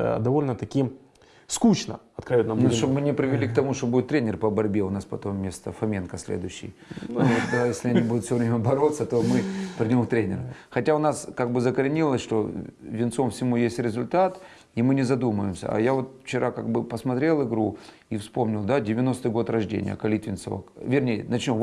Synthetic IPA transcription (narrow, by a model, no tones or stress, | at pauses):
d̪ɐvolʲnət̪ɐkʲijə | skut͡ɕnə̰ɐt̪kɾɐvʲɛt̪nɐnʂt̪obmɨnʲɪpɾʲɪvʲɪlʲik̚t̪ɐmuʂt̪obudʲɪt̪ːɾʲenʲɪrpəbɐɾʲbʲeʊnaspɐt̪o̞mːʲe̞st̪əfɐmʲenkəsʲlʲḛd̪ʊjɕːɪ̰jnod̪ajesʲlʲɪɐnʲibud̪ʊt̪fsʲovɾʲemʲəbɐɾo̞t̪sːət̪o̞mɨpʲɾʲɪdʲo̞mkt̪ɾʲenʲɪ̰rxɐtʲaʊnaskaɡ̚bɨzəkəɾʲɪnʲilˠəsʲʂt̪o̞vʲɪnt̪so̞mfsʲɪmujesʲtʲɾʲɪzʊlʲt̪at̪ | imɨnʲɪzɐd̪uməjɪmsʲə̰ɐ̰javo̞t̪ft͡ɕɪɾʔaka̰ɡ̚bɨpəsmɐt̪ɾʲelˠɪɡɾu | ifspo̞mnʲɪlˠd̪adʲɪvʲɪno̞st̪ɨjɡo̞t̪rɐʐdʲḛnʲɪ̰jə̰kɐlʲit̪vʲɪnt̪so̰və̰kvʲɪrnʲejə̰nɐt͡ɕnʲom